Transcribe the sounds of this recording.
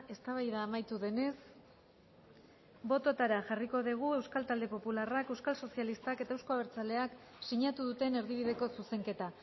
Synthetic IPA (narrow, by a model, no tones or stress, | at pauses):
e̞st̪aβ̞ajðaːmajt̪uðe̞ne̞s | bo̞t̪o̞t̪aɾaʝariko̞ðiɣ̞ue̞wskalt̪ald̪e̞po̞pularake̞wskalso̞sialist̪ake̞t̪aewsko̞aβeɾt͡sale̞ak | siɲat̪uðut̪e̞ne̞ɾð̞iβ̞iðe̞ko̞suse̞ŋke̞t̪a